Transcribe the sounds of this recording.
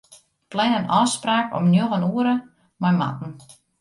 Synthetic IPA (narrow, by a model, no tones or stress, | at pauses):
plɛnənɔspraːkɔ̰mnjoɣənuəɾə | mɔjma̰tn̩